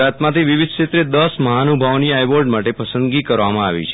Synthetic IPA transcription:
at̪mãt̪ʰiʋiʋid̪̚ʱʃet̪ɾed̪əsməɦanubʱaʋniajʋoɾɖmaʈepəsənd̪ɡikəɾʋamãaʋḭt͡ʃʰe

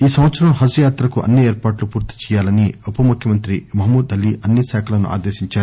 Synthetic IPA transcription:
iːsɐmʋɐt̪sɐɾɐmɦɐsujaːt̪ɾɐkuʔɐ̰nːieːɾpaːʈlupuːɾt̪i̥t͡ʃɛːjaːlɐniupɐmukʰjɐmɐnt̪ɾimɐɦɐmuːd̪ɐlːiːʔɐnːiʃɛːkʰɐlɐnṵʔa̰ːd̪eːʃiɲt͡ʃaːɾu

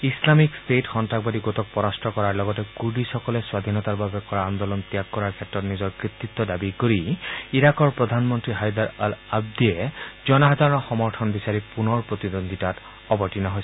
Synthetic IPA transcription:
islamikstetxɔntakbadiɡotɔk̚pɔɹastʰɔkɔɹaɹlɔɡɔtɛkuɹbisɔkɔlɛswad̪ʱinɔtaɹbabɛkɔɹaand̪ɔlɔnt̪ijakːɔɹaɹkʰɛtɹɔtnizɔɹkɹit̪ːit̪ːɔdabikoɹiiɹakɔɹpɹɔd̪ʱanmɔntɹiɦajd̪aɹalab̚d̪iɛzɔnaɦazaɹɔnɔxɔmɔɹtʰɔnbisaɹipunɔɹpɹot̪idond̪ʱitat | ɔbɔɹtinɔɦojs

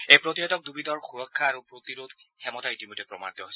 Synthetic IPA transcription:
ejpɹotiɦɔtɔk̚dubidɔɹxuɹɔkʰːaːɹupɹot̪iɹodkʰɛmɔtaitimojtɛpɹɔ̰ma̰dɔɦojsɛ

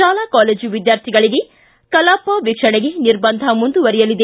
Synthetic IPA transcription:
ʃaːlakaːleːd͡ʒuʋid̪jaːɾt̪ʰiɡɐɭiɡe̞ | kɐlaːpːɐʋikʂɐɳeɡe̞niɾbɐnd̪ʱɐmund̪uʋɐɾijɐlid̪e

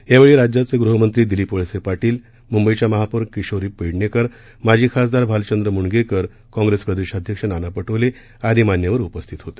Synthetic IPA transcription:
jaʋeɭiːɾad͡ʑjat͡seɡɾuɦəmənt̪ɾiːd̪ilipoɭsepaʈiːl | mumbəit͡ɕaməɦapuɾkiɕoɾiːpəɽɳekəɾ | mad͡ʑʱiːkʰasd̪aɾbʱalt͡ɕənd̪ɾəmuɳɡekəɾ | kɔ̃ŋɡɾespɾəd̪eɕad̪ʱjəkʂənanapəʈʰəʋle | ad̪iːmanjaʋəɾupəst̪ʰit̪ɦot̪e̥

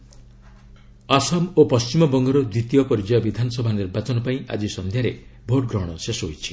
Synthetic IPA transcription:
asɔmopɔst͡ʃimɔbɔŋɡɔɾɔd̪wit̪ijɔpɔɾid͡ʒajɔbid̪ʱanɔsɔbʱaneɾbat͡ʃɔnɔpaĩʔa̰d͡ʒisɔnd̪ʱjaɾebʱoʈɡɾɔɦɽ̃ɔsesɔɦojt͡ʃʰi̥

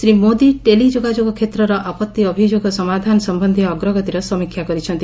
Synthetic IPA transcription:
sɾimod̪iʈelid͡ʒoɡad͡ʒoɡɔkʰet̪ɾɔɾɔʔapɔt̪ːiɔbʱid͡ʒoɡɔsɔmad̪ʱanɔsɔmbɔnd̪ʱiːɡɾɔɡɔt̪iɾɔsɔmikʰːjakɔɾit͡ʃʰɔnt̪i

